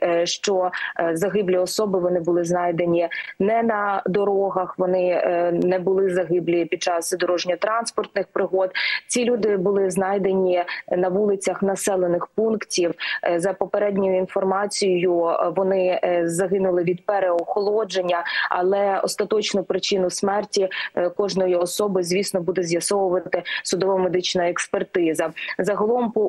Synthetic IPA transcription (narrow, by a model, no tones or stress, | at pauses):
ʃt͡ʃɔzɐɦɪblʲiɔsɔbɪʋɔnɪbʊlˠɪznɑjd̪e̞nʲinɛnɐd̪ɔɾɔɦɐxʋɔnɪnɛbʊlˠɪzɐɦɪblʲipʲid̪̚t͡ʃɑssɪd̪ɔɾɔʒnʲɐt̪ɾɑnspɔrt̪nɪxpɾɪɦɔd̪t͡sʲilʲud̪ɪbʊlˠɪznɑjd̪enʲinɐʋulˠɪt͡sʲɐxnɐsɛlˠenɪxpunktʲiwzɐpɔpeɾɛdʲnʲɔjʊinfɔrmɑt͡sʲijjʊʋɔnɪzɐɦɪnʊlˠɪʋʲid̪̚pɛɾeɔxɔlˠɔd͡ʒenʲːɐɐ̰lˠɛɔ̰st̪ɐt̪ɔt͡ʃnʊpɾɪt͡ʃɪnʊsmɛrtʲikɔʒnɔjiɔsɔbɨzʲʋʲisnɔbud̪ɛzʲjɐsɔʋʊʋɐt̪ɪsʊd̪ɔʋɐmed̪ɪt͡ʃnɐɛkspert̪ɪzɐzɐɦɔlˠɔmp